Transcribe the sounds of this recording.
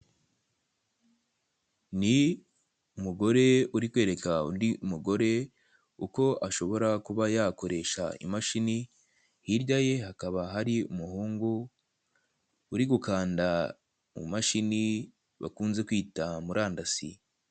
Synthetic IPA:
ni | umuɡo̞ɾe̞uɾikwe̞ːɾe̞kaṵndimuɡo̞ɾe̞ | uko̞ʔaʃo̞βo̞ɾakuβajako̞ɾe̞ʃa̰ḭmaʃini | hiɾɟaje̞ɦakaβaɦaɾiumuhuːŋɡu | ɾiɡukaːnda | mṵmaʃini | βa̰kuːnze̞kwiːtamuɾaːndasḭ

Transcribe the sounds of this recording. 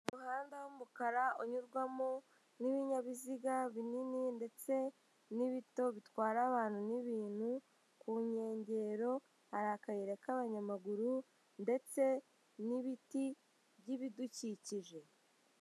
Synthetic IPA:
muɦaːndawomukaɾaoɲuɾɡwamo | niβiɲaβiziɡaβinininde̞t͡se̞ | niβito̞βitwaːɾaːβaːn̥huniβiːn̥hu | kuɲe̞ːɲɟe̞ɾo̞ | haɾakajeɾekaβaɲamaɡuɾu | nde̞t͡se̞ | niβiti | βɟiβiduciciʒe̞

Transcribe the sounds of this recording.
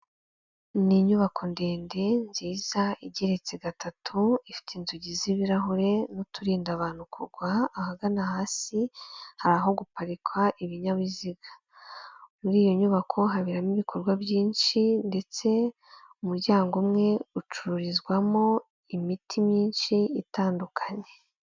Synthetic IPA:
niɲuβakʰo̞nde̞ːnde̞nziːz̥aiɟeɾe̞t͡se̞ɡatatʰuifi̥tinzuɟiziβiɾaɦoɾe̞notuɾiːndaβaːn̥hukʰuɾɡwaːhaɡanahaːsihaɾaɦo̞ɡupaɾikʰwaʔiβiɲaβiziɡḁ | muɾiːjo̞ɲuβakʰo̞ɦaβiɾamiβikʰo̞ɾɡwabɟiːnʃinde̞t͡se̞ | umuɾɟaːŋɡomŋe̞ut͡ʃuɾuɾizɡwamo̞ | imitʰimiːnʃiitaːndukʰaɲe̞

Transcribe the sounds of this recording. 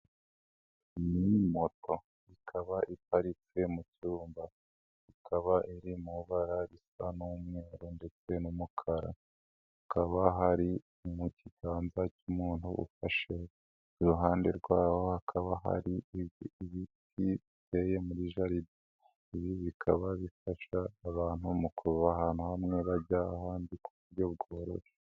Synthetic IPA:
nimo̞to̞ | ikʰaβaʔipaɾit͡se̞mucuːmba | ikʰaβaʔiɾimuβaɾaɾisanumŋe̞ːɾonde̞t͡se̞numukʰaɾa̰ | hukaβaɦaɾi | umuciɡaːnzacumuːn̥hṵʔṵfaʃe | uɾuɦaːnde̞̰ɾɡwaːho̞hakʰaβaɦa̰ɾiiβiiβitiβite̞ːje̞muɾiʒaɾidi | iβiβikʰa̰βaβifaʃaːβaːn̥humukʰuβahaːn̥huhamŋe̞βaɟaːhaːndikuβuɾɟo̞bɡoːɾo̰ʃe

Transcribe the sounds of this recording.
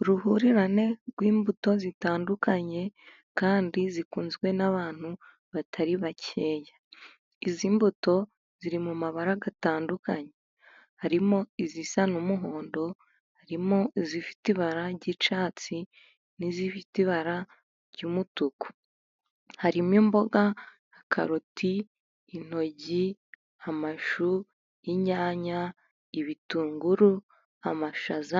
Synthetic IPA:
uɾuhuɾiɾane̞ɾɡwiːmbuto̞zitaːndukaɲe̞ | kaːndizikuːnzɡwe̞naβaːn̥hu | βatʰaɾiβacʰe̞ːjḁ | iziːmbuto̞ | z̥iɾimumaβaɾaɡataːndukaɲe | haɾimo̞izisanumuɦo̞ːndo̞ | haɾimo̞izifi̥tiβaɾaɾɟit͡ʃaːt͡si | nizifitiβaɾa | ɾɟuːmutuku̥ | haɾimjiːmbo̞ɡaː | kʰa̰ɾotʰiː | n̥o̞ɟi | amaʃu | iɲaːɲa | iβituːŋɡuɾu | amaʃaza

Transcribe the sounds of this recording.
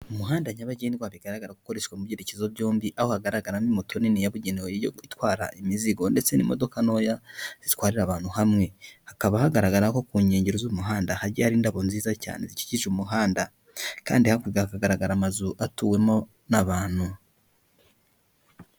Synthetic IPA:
umuɦaːndaɲaβaɟeniɡwaβiɡaɾaɡaɾaɡuko̞ɾe̞ʃwamuβjeɾecezoβɟo̞ːmbiʔaho̞haɡaɾaɡaɾamimotʰo̞ninijaβuɟeneweijoitwaːɾa̰ʔimiziɡo̞nde̞t͡se̞nḭmo̞̰do̞kano̞ːjaz̥itwaːɾiɾaβaːn̥huhamŋe̞hakaβahaɡaɾaɡaɾako̞kuːɲe̞ːɲɟeɾozumuɦaːndahaɾɟiahaɾiːndaβo̞nziːzaca̰ːne̞̰zici̥ciʒumuɦaːnda | ka̰ːndihakiɡahakaɡaɾaɡaɾamazuʔatuwe̞mo̞ | naβaːn̥hu

